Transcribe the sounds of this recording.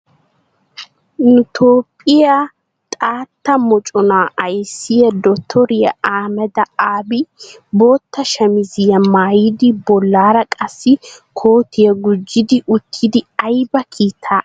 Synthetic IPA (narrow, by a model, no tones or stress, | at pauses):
nʊt̪ʰoːpʼːɪja | t̪ʼaːt̪ːɐmɔt͡ʃʼɔnaːʔɐjsːɪjɐd̪ɔt̪ʰːɔɾɪjɐ̰aːmɛd̪ɐaːbɪ | bo̞ːt̪ːɐʃɐmɪzɪjɐmaːjid̪ɪbɔlːaːɾɐkʼɐsːɪkʰo̞ːt̪ɪjɐɡʊd͡ʒːɪd̪ɪʔʊt̪ʰːɪd̪ɪɐjbɐkʰiːt̪ʰːaː